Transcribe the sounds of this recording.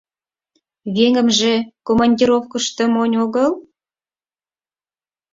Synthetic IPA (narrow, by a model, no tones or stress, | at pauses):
βeŋə̆mʒĕkomɑnʲdʲiɾofkəʃt̪ə̆monʲoɣəl